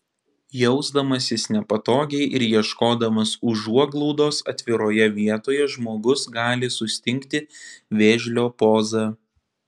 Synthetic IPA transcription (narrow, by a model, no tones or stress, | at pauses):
jɛʊzd̪ɐmɐsʲɪsnʲɛpɐt̪oːɡʲɛɪʔɪɾjiɛʃkoːd̪ɐmɐsʊʒuɔɡlˠɔʊd̪oːsɐ̰t̪ʲʋʲɪɾoːjɛʋʲiɛt̪oːjɛʒmoːɡʊsɡɑːlʲɪsʊsʲt̪ʲɪŋʲkt̪ʲɪʋʲeːʒʲlʲoːpoːzɑː